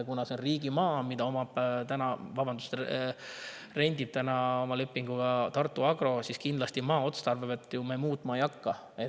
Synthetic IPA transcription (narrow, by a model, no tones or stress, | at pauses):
kunɑseonriːɡimɑːmid̪ɑo̞mɑpt̪ænɑvɑbɑnd̪u̥s | re̞nʲd̪id̪̥̚t̪ænɑo̞mɑle̞pːiŋɡ̥uɡ̥ɑt̪ɑrt̪ːˑuɑɡ̥ɾo̞siskind̪lɑst̪imɑːo̞t̪st̪ɑrvebet̪ːˑjume̞ːmuːt̪ːˑmɑejɑkːɑ | e